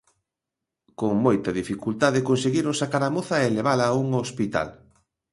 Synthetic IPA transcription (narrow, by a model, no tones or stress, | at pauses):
koŋmojt̪ɐðifikult̪aðekonseɣiɾosːakaɾamoθɐeleβ̞alɐːuŋospit̪a̰l